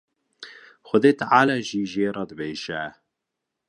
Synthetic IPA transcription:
xʊd̪eːt̪ʕaːlaːʒiːʒeːɾˤɑːd̪əbeːʃɛ

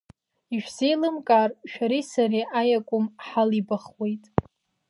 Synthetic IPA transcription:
iʃᶣsejlɨmkʼarʃᶣaɾisariʔajakʷʼʊmħalibaχwe̞jtʼ

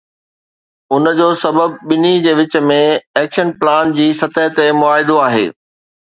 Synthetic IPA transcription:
ʊnəd͡ʑoːsɐbəb̚ɓɪnid͡ʑeːʋɪt͡ɕə̆mẽɛːkʃənplaːnd͡ʑiːsɐt̪əɦt̪emʊaːɦɪd̪oaːɦḛː

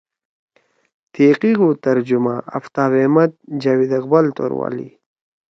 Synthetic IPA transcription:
t̪eqiɣut̪ɐɾd͡ʒumaa̰ft̪aːwemɐt̪̚d͡ʒawid̪aqbalt̪o̰ɾwa̰ːlḭ

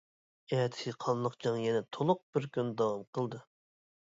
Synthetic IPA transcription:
ɛːt̪ʰɪ̥sɨqʰɑnlˠəqd͡ʒɑŋjɛnɛt̪ʰolˠʊq̚b̥ɪɾkʲynd̪ɑwɑmqʰəlˠd̪ɨ

